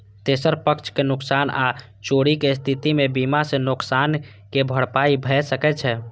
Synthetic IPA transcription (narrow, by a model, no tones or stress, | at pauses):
t̪esəɾpəkt͡ʃʰkenʊksana | t͡ʃoɽikest̪ʰit̪imebimasẽnʊksan | kebʱəɽpaibʱɛsəkɛt͡ʃʰɛ